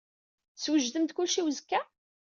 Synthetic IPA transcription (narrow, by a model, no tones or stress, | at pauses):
swəʒðəmt̪kʊlʃiwəzkːæ